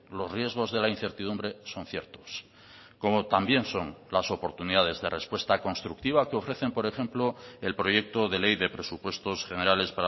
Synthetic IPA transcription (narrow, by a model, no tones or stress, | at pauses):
lo̞zrje̞zɣ̞o̞zðe̞lain̟θe̞ɾt̪iðumbɾe̞so̞n̟θje̞ɾt̪o̞s | ko̞mo̞t̪ambje̞nso̞nlaso̞po̞ɾt̪uniðað̞e̞zðe̞re̞spwe̞st̪ako̞nst̪ɾuk̚t̪iβ̞akeo̞fɾe̞θe̞mpo̞ɾe̞χe̞mploe̞lpɾoje̞k̚t̪oðe̞le̞jðe̞pɾe̞supwe̞st̪o̞sxe̞ne̞ɾale̞spaɾa